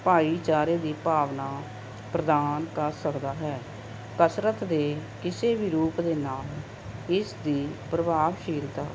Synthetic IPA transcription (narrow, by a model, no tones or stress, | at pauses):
paːiːt͡ʃaːɾeːd̪iːpaːʋnaː | pɾəd̪aːnkəɾsəkd̪aːɦɛː | kəsɾət̪d̪eːkɪseːbiːɾuːpd̪eːnaːl | ɪsd̪iːpɾəbaːʋʃiːlt̪aː